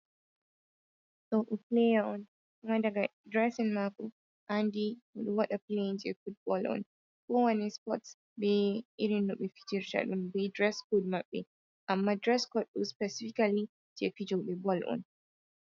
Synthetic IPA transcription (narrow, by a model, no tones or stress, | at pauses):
soʔuplejaɔ̃n | madaɡadɹɛsɛnmakɔ | ʔandiwuɗwaɗapleĩnd͡ʒɛfut̚bɔlɔ̰n | kɔwanɛspɔts | bɛiɾinːuɓɛfi̥d͡ʒiɾʃa̰ɗumbɛdɹɛskod̚maɓɛ | ʔamːadɹɛskɔt̚ɗospɛsifikali | d͡ʒɛfid͡ʒɔɓɛbɔlɔ̰n